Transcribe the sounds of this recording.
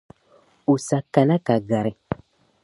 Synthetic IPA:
u˨sa˨ka˨na˦ka˨ɡa˨ɾi˨

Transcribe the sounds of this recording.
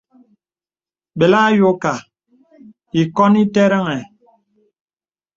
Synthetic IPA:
be˨la˦jo˦ka˨ | i˨kɔ˦ni˦te˦ɾə˦ŋɛ˨

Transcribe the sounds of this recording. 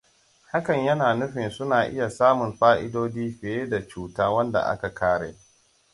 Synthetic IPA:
ha˦kɐ˨ɲjɐ˦naː˨nʊ˦ɸɪ˨nsʊ˦naː˨ʔɪ̰˦ja˨saː˦mʊ˨mɸaː˦ʔɪ˦doː˦d͡ʒiː˦ɸɪ˨eː˦da˨t͡ʃuː˦˨taː˦wɐ˦nda̰˨ʔa̰˦ka˨kʰaː˦ɽḛː˨

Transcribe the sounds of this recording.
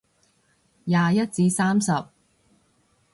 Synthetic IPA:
jaː˨jɐ˥t̚t͡siː˧saː˥msɐ˨p̚

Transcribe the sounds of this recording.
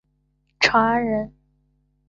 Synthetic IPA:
ʈ͡ʂʰwa˧˥nɻə˧˥n

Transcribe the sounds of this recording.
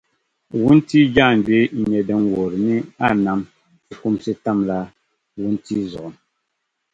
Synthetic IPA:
wu˦n̩˦ti˦d͡ʒa˦˨n˨d͡ʒwe˦ɲɛ˨dɛ˨˦ŋ˦wɔ˨ɾni˦a˦˨na˨˦m˦ | ku˦msi˦ta˦˨mla˦ | wu˦n̩˦ti˦zɔ˨n

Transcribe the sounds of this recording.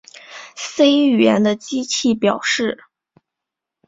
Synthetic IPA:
se˥ɪɥɛ˧˥nd̪ə˧t͡ɕi˥t͡ɕʰi˥˩pjɑ˨˩ʊʂɻ̩˥˩

